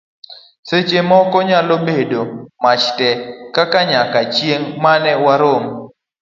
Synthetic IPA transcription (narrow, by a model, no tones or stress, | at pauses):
set͡ʃemɔkɔɲalobedomat͡ʃtɛkakaɲakat͡ʃjeŋmanɛwaɾom